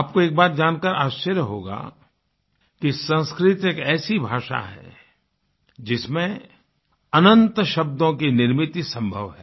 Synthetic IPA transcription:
aːp̚koeːk̚baːt̪̚d͡ʒaːnkəɾaːʃt͡ʃəɾjəɦo̰ːɡa̰ | kisə̃nskɾɪt̪eːkɛːsibʱaːʃa̰ɦɛ̰ | d͡ʒɪsmẽ | ɐnə̃nt̪ʃɐbd̪õkenɪɾmɪt̪isɐ̃mbʱəʋɦɛː

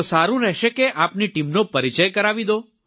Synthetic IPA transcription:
saɾũɾɛɦʃekeʔapniʈimnopəɾit͡ʃəjkəɾaʋid̪o

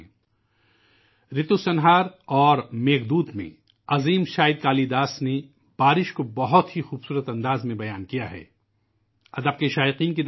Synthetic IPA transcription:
ɾɪt̪usɐnɦaːɾɔːɾmeːɡd̪uːd̪mḛ̃ | ɐziːmʃaːɪd̪̚kaːlid̪aːsne | b̥aːɾɪʃkobɐɦʊt̪ɦixuːbsuːɾət̪ɐ̃nd̪aːzmẽbɐjaːnkijaɦɛ̰ː | ɐd̪əb̚keʃaːɪqiːnk̬id̪

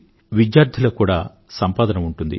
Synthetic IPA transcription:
ʋid̪jaːɾd̪ʱilɐkuːɽaː | sɐmpaːd̪ɐnɐmuɳʈund̪ḭ

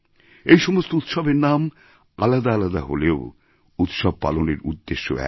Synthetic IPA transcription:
ejʃɔmost̪out̪ʃɔbeɾnam | alad̪aalad̪a̰ɦoleo | ut̪ʃɔb̚pa̰loneɾṵd̪ːeʃːo̰ɛ̰

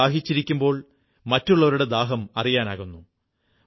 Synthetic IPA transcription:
aːɦit͡ɕːiɾikʲːumbo̞ːɭ | mɐtːuɭːɐʋɐɾuɽe̞d̪aːɦɐmɐrijaːnaːɣunːu

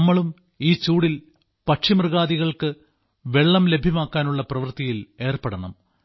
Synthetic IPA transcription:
mːɐɭum | iːt͡ɕuːɽil | pɐʈʂimrɨɣaːðiɣɐɭkɨ | ʋe̞ɭːɐmle̞bʱjɐmaːkːaːnuɭːɐprɐʋɐrt̪ijile̞ːrpɐɽɐnɐm

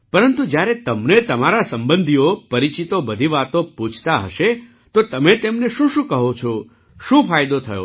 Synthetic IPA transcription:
pəɾənt̪ud͡ʒjaɾet̪əmnet̪əmaɾasəmbənd̪ʱiopəɾit͡ʃit̪obəd̪ʱiʋat̪õpũt͡ʃʰt̪aɦəʃe | t̪ot̪əmet̪emneʃũʃũkəɦot͡ʃʰo | ʃũfajd̪ot̪ʰəjo̰

